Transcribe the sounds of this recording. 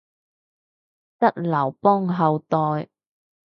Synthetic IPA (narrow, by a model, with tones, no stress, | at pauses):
t͡sɐ˥t̚lɐ˨˩wpɔː˥ŋɦɐ˨˧wt̪ɔː˧j